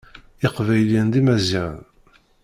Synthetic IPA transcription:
ɪqvæjlind̪imæziʁ̰n

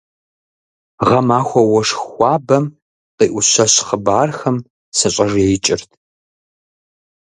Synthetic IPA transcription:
ʁɐmaːxʷɔwɔʂxʷɑːbɐm | qiːʔʷʊɕɐɕχəbaːrxɐm | sɨɕʼɐʐejt͡ʃʼɪrtʰ

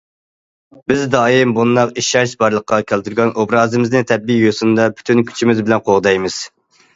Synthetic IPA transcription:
bɪzd̪ɑːjimbund̪ɑqiʃɑɾʃbɑɾlˠəqːɑkʲʰælt̪ʰyɾɡʲɑnʔobɾɑːzɨmɪznɨŋt̪ʰɛbːijosund̪ɑpʰy̥t̪ʰynkʲʰy̥t͡ʃʰimɪzbɪlɛnqʰoʁd̪ɑjmɨz̥

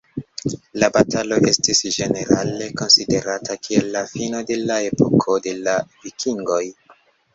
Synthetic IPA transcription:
labatalo̞ʔe̞stisd͡ʒe̞ne̞ɾale̞ko̞nside̞ɾatʰakʰielːafinode̞lae̞po̰kʰo̞de̞lavikʰiŋɡo̞j

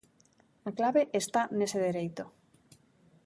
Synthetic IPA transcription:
aklaβeʔest̪aneseðeɾejt̪o

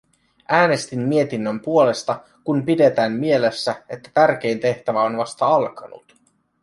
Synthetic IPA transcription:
ʔæːne̞st̪imːie̞t̪inːømpuo̞le̞st̪ɑ | kumpide̞t̪æːmmie̞le̞sːæe̞t̪ːæ̥t̪ærk̟e̞jnt̪e̞ht̪æʋæo̞nʋɑst̪ɑɑlkɑnṵt̪

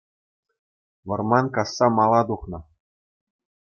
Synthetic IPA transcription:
ʋɤ̆rmɑnkɑsːɑmɑlˠɑd̪uχnɤ̆

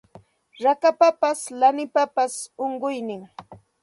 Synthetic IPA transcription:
ɾakapapaslanɪpapasoɴɢʊjnɪŋ

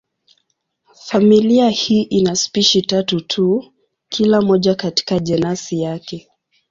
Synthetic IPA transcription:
familiahiːʔinaspiʃitatutʰu | kʰilamɔʄakati̥kaʄɛnasijakɛ

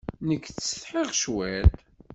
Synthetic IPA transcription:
nəkːθsə̥θħeʁʃwæt̪

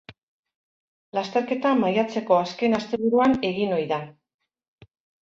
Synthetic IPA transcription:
last̪e̞ɾke̞t̪amajat͡se̞ko̞aske̞nast̪e̞β̞uɾuane̞ɣino̞jða

